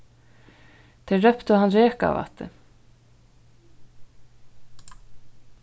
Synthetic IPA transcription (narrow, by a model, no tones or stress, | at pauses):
t̪ʰɛrœpt̪ʏɦanɾɛːka̰va̰ht̪ːɪ̰